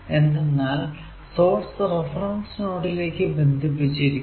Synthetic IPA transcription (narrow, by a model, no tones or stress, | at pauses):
e̞nd̪enːaːl | so̞ːrsɨrefrɐŋsnoːɽile̞ːkːɨbe̞nd̪ʱipːit͡ɕːiɾikː